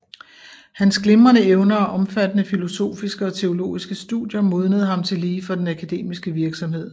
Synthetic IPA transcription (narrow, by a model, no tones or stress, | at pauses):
hænsɡ̥le̝mɐnəeʊnɐɒʔɒ̽mfæd̥ənəfilo̝so̝̰ːfisɡ̥əɒ̽t͡sʰe̝o̝lo̝̰ːisɡ̥əsd̥ṵðˠjɐmo̝ð̞ˠnəð̞̩ˠɦhɑ̈mt͡sʰe̝liːfɒ̽d̥enækʰæd̥e̝̰ːmisɡ̥əʋiɐɡ̥sɒ̽mhe̝ð̞̰ˠ